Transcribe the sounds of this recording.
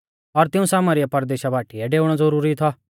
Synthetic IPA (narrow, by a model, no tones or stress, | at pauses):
ɔɾt̪ɪũsaːmaɾɪjapɐɾd̪eːʃabaːʈiɛɖeːʊɽ̃ɔzɐɾuːɾit̪ʰɔ